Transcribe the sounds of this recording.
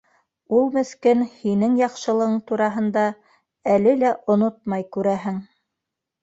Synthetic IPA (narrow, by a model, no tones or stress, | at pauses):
ulˠmɘ̆skɘnhinɘŋjɑqʃɤ̆lˠɤ̆ʁɤɴt̪uɾɑɦɤ̆nd̪ɑ | ælɘlæʔŏnot̪̚mɑjkʉɾæɦɘŋ